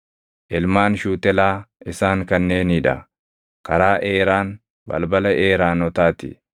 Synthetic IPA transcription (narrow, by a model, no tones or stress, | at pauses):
ʔɪlmaːnʃuːt̪ɛlaːɪsaːŋkɐnːe̞ːniᶑɐ̰ | kɐɾaːʔeːɾaːn | bɐ̰lbɐlɐʔeːɾaːnɔt̪aːt̪ɪ̰